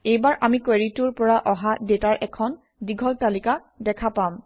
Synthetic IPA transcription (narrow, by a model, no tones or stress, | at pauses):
ejbaɹʔamikweɹituɹpɔɹaʔɔɦadetaɹʔɛkʰɔn | diɡʱɔltalika | dɛkʰapam